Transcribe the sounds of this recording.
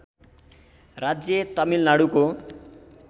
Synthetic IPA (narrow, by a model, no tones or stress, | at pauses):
rad͡zjʌt̪ʌmilnaɽuko